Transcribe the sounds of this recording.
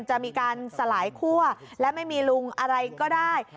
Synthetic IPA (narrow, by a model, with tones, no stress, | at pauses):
nt͡ɕa˨ʔmiː˧kaː˧nsa˧laː˩˦jkʰu˥˩ɐlɛː˦˥ma˥˩jmiː˧lu˧ŋʔa˧ɾa˧jkɔː˥˩daː˥˩j